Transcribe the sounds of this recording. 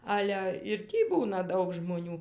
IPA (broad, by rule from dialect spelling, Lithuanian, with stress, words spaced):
ˈɑːlʲɛ ɪr ˈtʲiː ˈbuːnɐ ˈdɐʊk ʒmoːˈnʲuː